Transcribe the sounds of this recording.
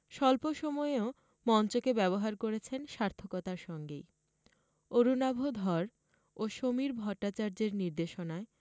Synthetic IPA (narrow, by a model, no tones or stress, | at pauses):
ʃɔlpoʃɔmɔeo | mɔnt͡ɕokebɛβoɦaɾkoɾet͡ɕʰenʃaɾt̪ʰokɔt̪aɾʃɔŋɡḛj | oɾunabʱod̪ʱɔɾ | oʃomiɾbʱɔʈːat͡ɕaɾd͡ʑeɾniɾd̪eʃonae